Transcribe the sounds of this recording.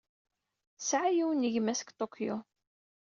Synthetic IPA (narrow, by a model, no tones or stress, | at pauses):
sʕajiwənːiʝmæsə̥kt̪ˤokʰjo̰